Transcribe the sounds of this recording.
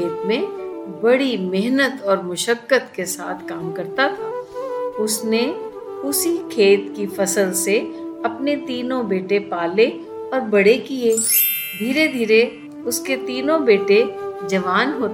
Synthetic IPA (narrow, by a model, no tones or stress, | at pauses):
eːt̪̚mẽbɐɽimɪɦnət̪ɔːɾmʊʃəkːət̪kesa̰ːt̪ʰkaːmkɐɾt̪at̪ʰa | ʊsne | ʊsikʰeːt̪kifɐsəlseɐpnet̪iːnõbeːʈepaːle | ɔːɾbɐɽekie | d̪ʱiːɾed̪ʱiːɾe | ʊsket̪iːnõbeːʈed͡ʒɐʋaːnɦoːt̪ː